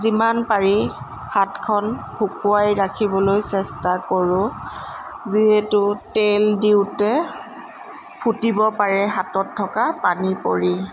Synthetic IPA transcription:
zimanpaɹi | hatkʰɔnbʰʱukuajɹakʰibɔlojsɛstakoɹʊ̃ | ziɦetʊteldiwtɛ | pʰutibɔpaɹɛɦatɔtʰːɔkapanipoɹi

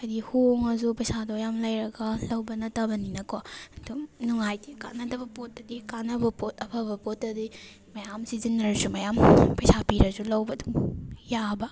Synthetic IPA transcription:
ɐjdihuŋɐzupɐjsadɔjamlajɾɐɡɐlɐwbɐnɐtɐbɐninɐkontunuŋajdika̰nɐdɐbɐpot̚ːɐdikanɐbɐpot̚ɐpʰɐbɐpotːɐdi | mɐjamsizinɐɾsumɐjampɐjsapiɾɐzulɐwbɐduŋjabɐ

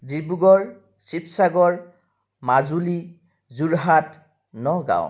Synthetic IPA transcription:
dibuɡɔɹ | sipsaɡɔɹ | mazuli | zuɹɦat | nɔɡa̰w̰

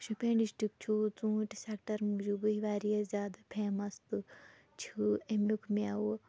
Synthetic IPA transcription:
ʃupʲẽːɖisʈɾik̚t͡ʃʰut͡sũːʈʲsekʈɐɾmud͡ʒubɨiʋaːɾijɐzʲaːd̪apʰeːmɐst̪ɨ | t͡ʃʰiemukʰmʲawu

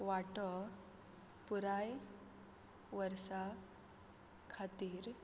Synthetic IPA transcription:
ʋaʈɔ | puɾaj | ʋəɾsa | kʰat̪iːɾ

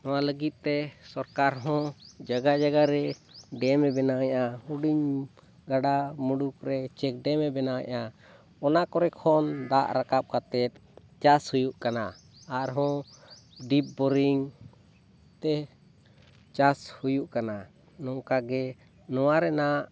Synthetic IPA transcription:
nɔwaləɡit̪̚ˀt̪ɛsɔɾkaɾɦɔ̃d͡ʒaɡad͡ʒaɡaɾɛɖɛmɛbɛnawjahuɖiɲ | ɡaɖamuɖuk̚ɾɛt͡ʃɛk̚ɖɛmɛbɛnawa̰ʔa | ɔnakɔɾɛkʰɔnd̪aʔɾakap̚kat̪ɛt̪̚ | t͡ʃashujuʔkanaː | ɾɦɔ̃ | ɖip̚bɔɾiŋ | t̪ɛ | t͡ʃashujuʔkana | nɔ̃kaɡɛ | nɔwaɾɛnaʔ

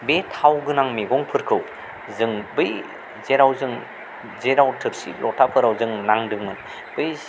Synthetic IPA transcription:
betʰawɡɯnaŋmeɡɔŋpʰɯɾkʰɯw | zɯŋbɯj | zeɾawzɯŋ | zeɾawtʰɯɾsḭlʔɔtʰapʰɯɾawzɯŋnaŋdɯŋmɯn | b̥ɯj

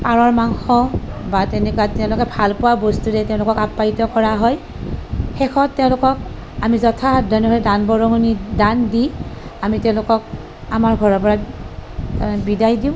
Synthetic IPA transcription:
paɹɔɹmaŋxɔbatɛnɛkɔwatɛʊ̃lʊkɛbʱalpʊwabostuɾɛtɛ̃ʊ̃lʊkɔkapːaitɔkɔɹaɦɔj | xɛxʰɔtːɛʊ̃lʊkɔk̚ | amizɔtʰadʱɔnɔɦɔjdanbɔɹɔŋɔnidandiamitɛʊ̃lʊkɔk̚ | amaɹɡʱɔɹɔpɔɹa | tbidajdiʊ̃

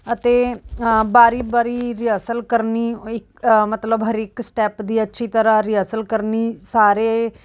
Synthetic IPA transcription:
ət̪eːbaːɾiːbaːɾiːɾɪəsəlkəɾniːɪkmət̪ləbɦəɾɪksʈɛːpd̪iːətːʃʰiːt̪əɾãːɾɪəsəlkəɾniːsaːɾe

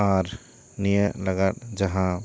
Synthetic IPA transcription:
aɾ | nijələɡaʈd͡ʒəɦã

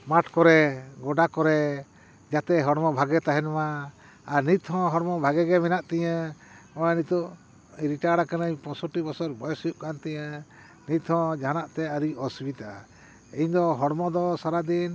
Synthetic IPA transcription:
maʈkɔɾɛɡɔɖakɔɾɛ | d͡ʒat̪ɛɦɔɽmɔbʱaɡɛt̪aɦɛnmaː | ɾnit̪hɔ̃ɦɔɽmɔbʱaɡɛɡɛmɛnaʔt̪ɛja | ɔjanit̪ɔʔ | iɾiʈaɽakanəɲpɔ̃sɔʈibɔsɔɾbɔjɔsjuʔkant̪ɛə | nit̪hɔ̃d͡ʒanaʔt̪ɛəɾiɔsbit̪a | iɲd̪ɔɦɔɽmɔd̪ɔsaɾad̪in

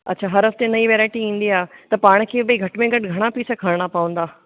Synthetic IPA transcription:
ɐ̰tːt͡ɕʰaɦɐɾɦɐft̪enɐiʋeːɾaːɪʈiĩːn̆d̪iaːt̪ɐpaːɽ̃̆kʰeːbɐiɡʱɐʈmẽɡɐʈɡʱɐɽ̃apiːsakʰɐɾɽ̃apɐʋə̃nd̪aː

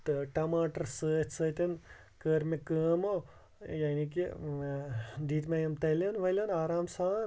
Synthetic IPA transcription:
t̪ɨʈɐmaːʈɐɾsəːt̪ʰʲsəːt̪ʲɐn | kəːɾmekəːmo | jaːnik̬i | d̪iːt̪mɐjɐmt̪ɐlɐnʋɐlʲɐnaːɾaːmsaːn

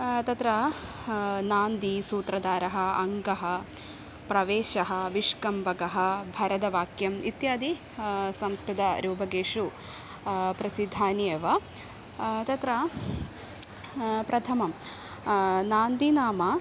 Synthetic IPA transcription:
t̪ɐt̪ɾɐ | naːnd̪isuːt̪ɾɐd̪aːɾɐɦɐ̆ɐŋɡɐɦɐ | pɾɐʋeːʃɐɦɐ̆ʋiʂkɐmbʱɐɡɐɦɐ̆bʱɐɾɐd̪ɐʋaːkjɐmit̪jaːd̪i | sɐmskɾud̪ɐɾuːbʱɐɡeːʂu | pɾɐsid̪ʱːaːnjɐʋɐ | t̪ɐt̪ɾɐ | pɾɐt̪ʰɐmɐm | naːnd̪inaːmɐ

